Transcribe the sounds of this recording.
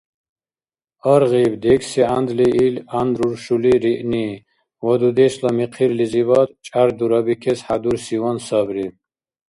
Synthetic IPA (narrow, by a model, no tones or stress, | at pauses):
əɾʁibd̪ɛksiand̪liʔiland̪ɾuɾʃuliɾiʔni | wɔd̪ud̪ɛslamiqʰiɾlizivat̪t͡ʃʼaɾd̪uɾabikʰɛsħad̪uɾsiwansabɾi